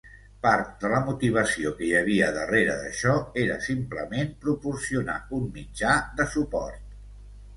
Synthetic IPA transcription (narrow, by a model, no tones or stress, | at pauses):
paɾt̪̚d̪ələmut̪iβ̞əsiokəjəβ̞iəðəreɾəðə̰ʃɔeɾəsimpləmempɾupuɾsiuna̰ummid͡ʒaðəsupɔ̰rt̪̚